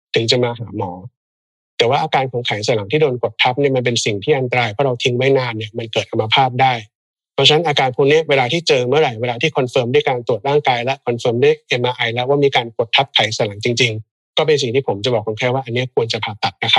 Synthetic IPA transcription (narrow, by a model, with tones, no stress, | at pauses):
t̪ʰɯ˩˦ŋt͡ɕa˨˩maː˧ɦaː˩˦mɔː˩˦ | t̪ɛː˨˩waː˥˩ʔaː˧kaː˧nkʰɔ˨˩˦ŋkʰa˨˩˦jsa˨˩˦la˩˦ŋt̪ʰiː˥˩doː˧nko˨˩t̪ʰːa˦˥p̚ni˥˩ma˧np̬e˧nsi˨˩ŋt̪ʰiː˥˩ʔa˧nt̪a˧ɾaː˧jpʰɔ˦˥˩ɾa˧wt̪ʰi˧˥ŋma˥˩jnaː˧nːi˥˩ɐma˧nkɤː˨˩t̪̚kʰa˧mːa˧pʰaː˥˩p̚daː˥˩j | pʰa˧˥t͡ɕʰna˦˥nʔaː˧kaː˧npʰɔ˦˥ŋni˦˥ɐweː˧laː˧t̪ʰiː˥˩t͡ɕɤː˧mɯ˥˩ɐɾa˨˩jweː˧laː˧t̪ʰiː˥˩kʰɔ˧nfɤː˧mdu˥˩˨jkaː˧nt̪u˨˩ət̪̚ɾaː˥˩ŋkaː˧jlɛ˦˥ʔkʰɔ˧nfɤː˧mdu˥˩əjʔe˧mʔaː˧˩ʔa˧jlɛ˦˥waː˥˩miː˧kaː˧nko˨˩t̪ʰːa˦˥p̚kʰa˨˩˦jsa˩˦la˩˦ŋt͡ɕi˧ŋt͡ɕi˧ŋ | kɔː˥˩p̬e˧ns̬i˨˩ŋt̪ʰiː˥˩pʰo˩˦mt͡ɕa˨˩bɔː˨˩kʰo˧nkʰaː˥˩jwaː˥˩ʔa˧nːi˦˥ɐkʰu˧ənt͡ɕa˨˩pʰaː˧p̪a˨˩t̪̚na˦˥kʰa˦˥